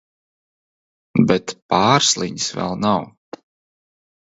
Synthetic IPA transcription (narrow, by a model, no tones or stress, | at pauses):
bɛt̪paːɾslˠiɲisvɛ̰lˠnaw